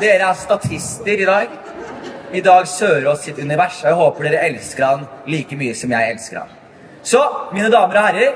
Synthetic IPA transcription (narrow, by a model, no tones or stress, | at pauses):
d̪eːɾəæst̪ɑt̪ʰɪst̪əɾɪd̪ɑːɡ | ɪd̪ɑːɡsøːəɾɔsːɪt̪ʉnɪʋæʂɔæɪɦoːpəɖeːɾəɛlskəɾhɑnliːkəmyːəsɔmjæɪɛlskəɾhɑ̰n | sɔmiːnəd̪ɑːməɾɔhæɾːəɾ